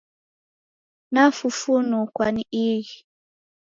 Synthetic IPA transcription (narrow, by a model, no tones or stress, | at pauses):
nafufunukwaniʔiɣi